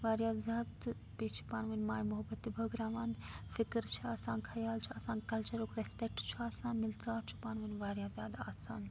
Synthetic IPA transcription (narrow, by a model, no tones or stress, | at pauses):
ʋaːɾjaːzjaːd̪ | peːt͡ʃʰi̥paːnʋɐnmaːjmʊɦəbət̪ːibʱəɡɾaːʋãːnd̪fɪkɾt͡ʃʰiaːsãːnkʰɐjaːlt͡ʃʰiaːsãːnkɐlt͡ʃɐɾokɾespek̚ʈt͡ʃʰiaːsaːnmɪlt͡saːɾt͡ʃʰi̥paːnʋɐnʋaːɾjaːzjaːd̪aːsaːn